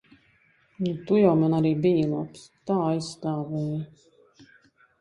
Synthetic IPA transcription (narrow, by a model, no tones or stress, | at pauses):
nut̪ujawmanaɾiːbiːlˠɔpst̪aːajsːt̪aːvuni